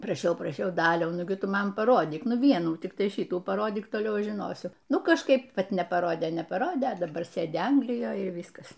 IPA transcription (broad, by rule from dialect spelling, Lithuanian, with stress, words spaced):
prɐˈʃʲɛʊ prɐˈʃʲɛʊ ˈdɑːlʲɛʊ ˈnʊɡʲɪ ˈtʊ ˈmɐn pɐˈroːdʲiːk ˈnʊ ˈʋʲiɛnuː tʲɪkˈtɐɪ ˈʃʲiːtuː pɐˈroːdʲiːk toːˈlʲɛʊ ˈɐʃ ʒʲɪˈnoːsʲʊ ˈnʊ kɐʃˈkɐɪp ˈʋɐt nʲɛpɐˈroːdʲeː nʲɛpɐˈroːdʲeː ɐ dɐˈbɐr ˈsʲeːdʲɪ ˈɐŋɡlʲɪjoːj ɪr ˈʋʲiːskɐs